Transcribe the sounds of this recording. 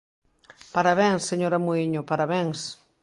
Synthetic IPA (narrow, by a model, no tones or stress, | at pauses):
paɾaβɛ̃ŋsːeɲoɾamoiɲʊpaɾaβɛŋs